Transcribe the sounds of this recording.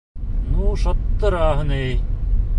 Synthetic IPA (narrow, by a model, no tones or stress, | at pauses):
nuːsɐt̪ːɾaːɦneː